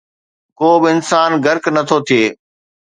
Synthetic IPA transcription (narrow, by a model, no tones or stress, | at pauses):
koːbɪɪnsaːnɡɐɾknɐt̪ʰot̪ʰieː